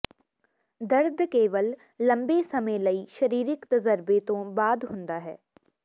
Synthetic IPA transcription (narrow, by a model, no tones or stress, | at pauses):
d̪ɐɾd̪keːʋəlː | ɐ̃mbesɐmẽlɐiʃɐɾiːɾɪkt̪ɐzəɾbet̪õbaːd̪ɦʊ̃nd̪aɦɛː